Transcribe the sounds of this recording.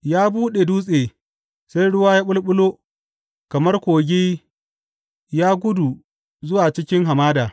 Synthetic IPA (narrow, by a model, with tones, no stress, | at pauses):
jaː˦buː˦ɗe˨duː˦sʼeː˨ | sa˦jɽʊ˦waː˦jaː˦ɓʊ˦lɓʊ˦loː˦ | kɐ˨mɐ˦rkʷoː˨ɡʲiː˦ | jaː˦ɡʷʊ˦du˨ | zʊ˦waː˨t͡ʃɪ˦kʲɪ˦ŋɦa˨maː˦daː˨